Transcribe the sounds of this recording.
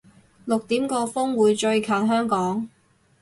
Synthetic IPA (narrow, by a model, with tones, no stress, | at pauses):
lʊ˨k̚t̪iː˨˥mkɔː˧fʊ˥ŋwuː˨˧jt͡ʃɵ˧ɥkʰaː˨˩nɦœː˥ŋkɔː˨˥ŋ